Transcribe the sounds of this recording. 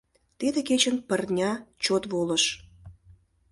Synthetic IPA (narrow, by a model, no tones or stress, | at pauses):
t̪ed̪eket͡ɕənpərnʲɑt͡ɕot̪βoləʃ